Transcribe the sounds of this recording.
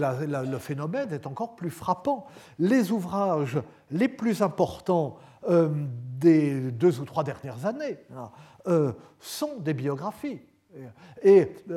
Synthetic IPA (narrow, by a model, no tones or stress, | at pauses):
lalələfenɔmɛnɛt̪ɑ̃kɔʁplyfχapɑ̃ | lezuvʁaʒ | leplyzɛ̃pɔʁt̪ɑ̃ | ød̪ed̪øzut̪χwad̪ɛʁnjɛʁzane | ø | sɔ̃d̪ebjɔɡʁafi | e